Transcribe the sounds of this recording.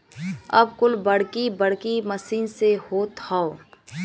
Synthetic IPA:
ɐ̰bkʊlbɐɽ̤kibɐɽkimɐsiːnsehot̪ʰao

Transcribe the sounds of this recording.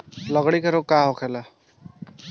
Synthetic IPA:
lʌɡɽikaɾokaɦokʰela

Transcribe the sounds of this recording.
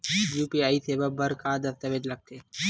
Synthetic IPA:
juːpiaːit̪ʰeʋɐbʱɐɾkaːd̪ɐst̪ɐʋed͡ʒlɐɡ̚t̪ʰeː

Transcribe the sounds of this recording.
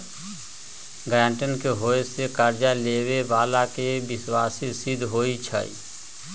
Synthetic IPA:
ɡɾãːɳʈənkeɦoːesekaɾd͡ʒaleːwebaːlakebɪswaːsisɪd̪ʱɦoːit͡ʃʰə̰ḭ

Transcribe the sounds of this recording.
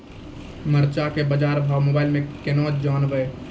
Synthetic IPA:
məɾt͡ʃakebəd͡ʒaːɾbʱaːwmoːbaːɪlmẽkenoːtd͡ʒaːnbəe

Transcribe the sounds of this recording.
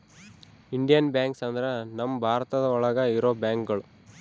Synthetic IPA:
iɳɖijɐnbjaːŋksɐnd̪ɾenɐmːɐbʱaːɾɐt̪ɐd̪ɐɔɭɐɡɐiɾoːbjaːŋkɡɐɭu

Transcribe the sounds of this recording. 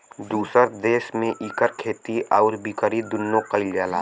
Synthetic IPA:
d̪uːsəɾd̪eːʃmẽʔikəɾkʰeːt̪iʔɔːɾbikəɾid̪ʊnːõqəɪljaːlaː

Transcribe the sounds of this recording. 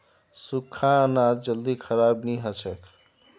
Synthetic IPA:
sukʰːãənad͡ʒəld̪ikʰəɾabniɦət͡ʃʰəkʰ

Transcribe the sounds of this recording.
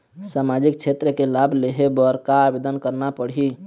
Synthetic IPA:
samad͡ʒik̚t͡ʃʰet̪ɾəkelabʱleɦebəɾkaːbed̪ənkəɾnapəɽɦi

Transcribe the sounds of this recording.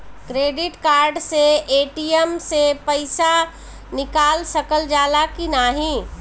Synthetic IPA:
kɾeːɖɪʈkaːɾɖseeːʈiəmsepəɪsa | nɪkaːlsəkəld͡ʒaːlakinaɦĩ

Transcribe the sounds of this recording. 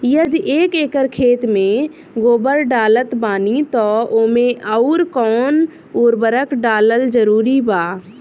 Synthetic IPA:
jəd̪iʔeːkeːkəɾkʰeːt̪mẽ | ɡoːbəɾɖaːlət̪baːnit̪ɔːoːmẽʔəʊɾkɔːn | uɾbəɾəkɖaːləld͡ʒəɾuːɾibaː

